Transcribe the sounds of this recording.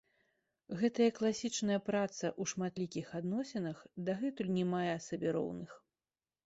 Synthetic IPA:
ɣɛt̪ɐjɐklˠasʲit͡ʂnɐjɐpɾat̪sɐʔuʂmat̪lʲikʲixad̪nɔsʲɛnɐxd̪aɣɛt̪ulʲnʲɛmajɛsɐbʲɛɾɔ̰wnɨx

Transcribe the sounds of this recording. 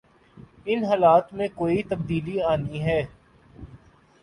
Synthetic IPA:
ɪnɦaːlaːt̪mẽkoːit̪əb̚d̪iːliaːniɦɛː

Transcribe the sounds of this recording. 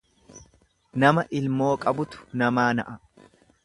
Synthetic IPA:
nɐmɐʔɪlmo̞ːkʼɐbʊt̪ʊ̥nɐmaːnɐ̰ʔɐ

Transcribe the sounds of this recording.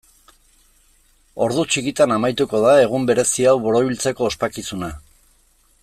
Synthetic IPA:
o̞ɾðut͡ʃikit̪anamajt̪uko̞ðae̞ɣ̞umbe̞ɾe̞siawβo̞ɾo̞βilt͡se̞ko̞ːspakisuna

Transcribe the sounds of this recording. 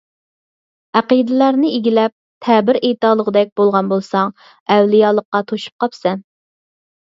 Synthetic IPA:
æqid̪ɪlæɾnɪeɡʲilɛp̚t̪ʰɛbɪɾejt̪ɑːlˠəʁəd̪ɛk̚ʲb̥olˠʁɑnbolˠsɑŋ | ɛwlijɑːlˠəqːɑt̪ʰoʃu̥p̚qʰɑpsɛn

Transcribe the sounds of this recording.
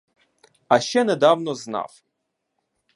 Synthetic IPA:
aʃt͡ʃɛnɛd̪awnɔzna̰f

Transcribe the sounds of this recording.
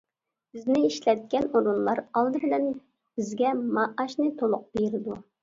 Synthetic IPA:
bɪznɪiʃlɛt̪̚kʲɛnoɾunlˠɑɾɑlˠd̪ɨbɪlɛn | b̥ɪzɡʲɛmɑʔɑʃnɨt̪ʰolˠʊq̚beɾɪd̪u

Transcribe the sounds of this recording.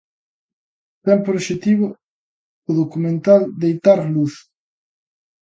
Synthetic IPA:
t̪ɛmpɾoʃet̪iβo | oðokumẽnt̪ald̪ejt̪aɾluθ

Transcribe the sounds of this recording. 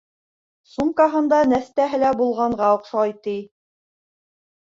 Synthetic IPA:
sumkɑɦɤ̆nd̪ɑnæst̪æɦɘ̆læbulˠʁɑɴʁɑŏqʃɑjt̪i

